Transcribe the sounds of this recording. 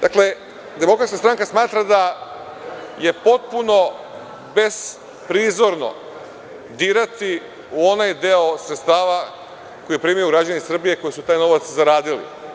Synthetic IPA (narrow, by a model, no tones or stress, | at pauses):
d̪akle̞ | d̪e̞mo̞kɾat̪skast̪ɾaŋkasmaːt̪ɾad̪a | je̞po̞t̪̚puno̞ | be̞s | pɾiːzo̞ɾno̞̰ | d̪iːɾat̪i | uo̞najd̪eosɾet̪t̪aːʋa | ko̞jipɾiːmajuɡɾad͡ʒanisr̩bijeko̞jisut̪aːjno̞ʋat̪szaɾaːd̪ilḭ